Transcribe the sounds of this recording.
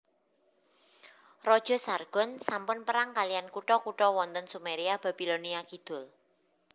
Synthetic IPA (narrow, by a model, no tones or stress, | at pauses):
rɔd̥ʒ̥ɔ̤sarɡ̥ɔ̤nsampʊnpəɾaŋkalijankuʈɔkuʈɔwɔnt̪ənsumeɾiab̥ä̤b̥iloniakid̪̥ʊ̤l